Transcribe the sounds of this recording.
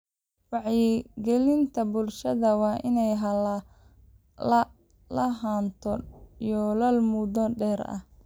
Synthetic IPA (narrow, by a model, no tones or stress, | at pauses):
wɑʕjɪɡɛlɪnt̪ʰɐbʊlʃɐðɐwɑːʔɪnɛjɦɐlɐ | lɐɦaːnt̪ʰɔijɔlɐlmudɔɖɛːrɐ̰h